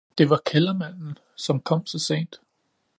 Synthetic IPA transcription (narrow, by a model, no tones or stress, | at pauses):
d̥e̝ʋɑ̈kʰelɐmæn̰n̩ | sɒ̽mkʰɒ̽m̰sɒ̽se̝̰ːnd̥